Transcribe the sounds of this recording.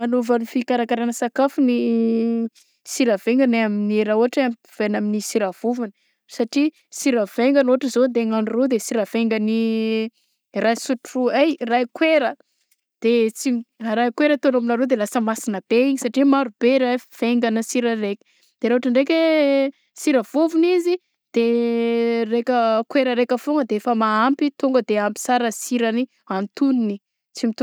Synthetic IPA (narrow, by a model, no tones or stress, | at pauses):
manovanifikaɾakaɾanəsakafuni | siɾaveŋɡaneaminieɾauaʈ͡ʂeam | v̥enaminisiɾav̥uvanə | saʈ͡ʂi | siɾəveŋɡanoaʈ͡ʂəzod̪eŋanurod̪esiɾaveŋɡəni | rajsuʈ͡ʂuajrajkweɾə | d̪̥et͡siɾajkweɾət̪onominaɾod̪elasəmasinəb̥eiɲisaʈ͡ʂimaɾub̥eɾav̥eŋɡanəsiɾəɾekʲə̥ | d̪̥eɾaɦaʈ͡ʂəɳɖ͡ʐekʲe | siɾəvovunizi | d̪̥e | rekəkweɾəɾekʲəfoŋɡəd̪eefəmaampit̪uŋɡəd̪eampi̥saɾəsiɾəni | ant̪unini | t͡simit̪u